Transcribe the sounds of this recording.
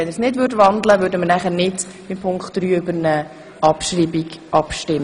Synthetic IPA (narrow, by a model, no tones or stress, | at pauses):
ɛnəsnɪdʋʏːdʋɑndləʋøɾdəməɾnæχəɾnɪd | ɪmpʰʊŋkχtːɾyːʏbəɾnə | ʔɑpʃriːbiɡʔɑpʃtɪm